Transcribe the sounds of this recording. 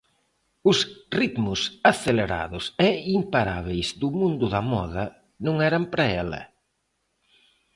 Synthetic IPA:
ʊsrit̪mʊsaθeleɾa̰ðʊsɛimpaɾa̰βejzðʊmũnd̪ʊðɐmɔðɐ | nũŋɛɾɐmpɾaɛlɐ̰

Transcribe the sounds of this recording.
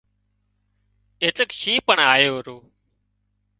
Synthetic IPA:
eːt̪əkʃiːpəɳaːjoːɾoː

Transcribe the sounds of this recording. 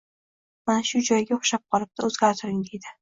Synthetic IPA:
manaʃʊd͡ʒɒjɡʲaoχʃap̚qʰɒlˠɪp̚t̪ʰaozɡʲaɾt̪ʰɪɾɪŋd̪e̞jd̪ɪ

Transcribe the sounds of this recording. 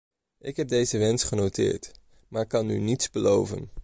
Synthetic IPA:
ʔɪkɦɛb̚dejzəʋɛnsχənowtɪ̰ːɹt | maːɹkɑny̰nitsbəlowvə̰n

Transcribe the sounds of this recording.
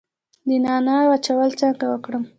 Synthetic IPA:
d̪ənɑnajwat͡ʃawəlt͡saŋɡawəkɽəm

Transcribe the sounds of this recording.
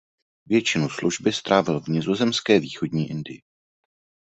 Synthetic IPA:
vjɛt͡ʃɪnusluʒbɪst̪ɾaːvɪlvɲɪzo̞zɛmskɛːviːxo̞dɲiːʔɪndɪjɪ

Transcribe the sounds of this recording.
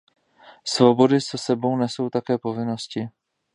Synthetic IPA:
svo̞bo̞dɪsɛsɛbo̞wnɛso̞wt̪akɛːpo̞vɪno̞scɪ

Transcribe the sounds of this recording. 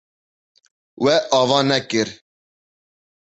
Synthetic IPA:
wɛʔɑːvɑːnɛkɨɾ

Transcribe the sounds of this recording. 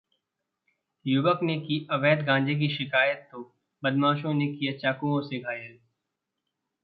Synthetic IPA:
jʊʋəknekiʔɐʋɛːd̪ɡãːd͡ʒek̬iʃɪkaːjət̪ːo | bəd̪mãːʃõnekijat͡ʃaːkũõseɡʱaːjəl

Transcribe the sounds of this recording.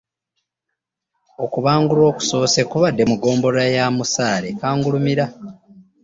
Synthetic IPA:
o̞kuβaːŋɡulo̞ːku̥so̞ːsekuβadːe̞muɡo̞ːmbo̞ɾajamusaːle̞kaːŋɡulumiɾa

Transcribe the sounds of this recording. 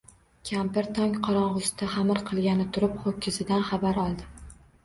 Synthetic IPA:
kʲʰampɪɾt̪ʰɒŋʲqʰɒɾɒɴʁʊst̪ʰaχamɪɾqʰɨlˠɡʲanɪt̪ʰʊɾɪpχokʲʰːɪzɪd̪anχɑbaɾɒlˠd̪ɪ

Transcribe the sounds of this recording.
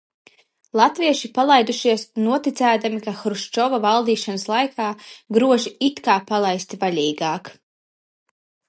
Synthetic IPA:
lˠat̪viɛʃipalˠajd̪uʃiɛsnuɔt̪it̪sæːd̪amikaxɾuʃt͡ʃɔvavalˠd̪iːʃanəslˠajkʰaːɡɾuɔʒiit̪kaːpalˠajsʲt̪valʲiːɡaːk

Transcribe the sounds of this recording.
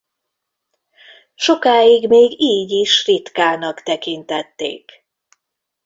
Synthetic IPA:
ʃo̞kaːjiɡmeːɡiːɟiʃrit̪kaːnɒkt̪ɛkint̪ɛt̪ːḛːk

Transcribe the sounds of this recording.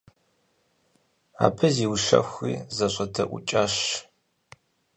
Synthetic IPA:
a̰ːpʰɐziːwʃɐ̰xʷiːzɐɕʷʼɐtʰɐʔʷʊ̰t͡ʃʼaːɕ

